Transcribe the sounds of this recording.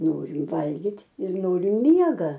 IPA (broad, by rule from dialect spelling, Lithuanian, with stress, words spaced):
ˈnoːrʲɪm ˈʋɐlʲɡʲɪtʲ ɪr ˈnoːrʲɪm ˈmʲiɛɡɐ